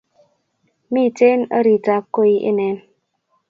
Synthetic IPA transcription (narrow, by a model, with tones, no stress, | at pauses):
mi˦˨te˦nə̰˦ɾi˨ta˨kːo˦i˨ʔḛ˦nɛ˨˦n